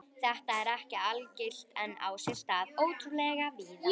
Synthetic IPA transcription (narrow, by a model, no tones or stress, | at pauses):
θɛht̪aɛɾɛhcɪalcɪl̥t̪ɛnːa̰wsɪl̥t̪aðoːwt̪ʏlɛɣavɪð